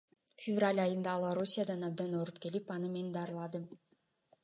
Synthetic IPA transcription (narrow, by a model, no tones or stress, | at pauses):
fʲɪvralʲɑjɯnd̪ɑːlˠoɾusʲijad̪ɑnɑb̚d̪ɑnoɾupke̞lipɑnɯme̞nd̪ɑɾɯlˠɑd̪ɯm